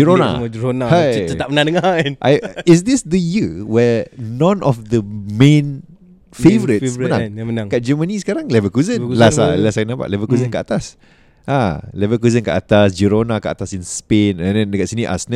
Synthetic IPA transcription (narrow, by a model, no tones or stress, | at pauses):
d͡ʒiɾona̰d͡ʒəɾonahajt͡ʃət̪amənãndəŋanʔajɪsd̪isd̪əjiwɛnɔ̃nʔɔfd̪əmẽn | fevəɾitmənãŋmənaŋkaʔ̚d͡ʒəmənisə̥kaɾaŋlɛvəkuzənlasalasakənapa̰ʔlɛvəkuzənkəʔat̪as | ʔalɛvəkuzənkə̰ʔat̪asd͡ʒiɾonakəʔa̰t̪asinspenə̃ndɛndəkaʔsiniʔa̰snə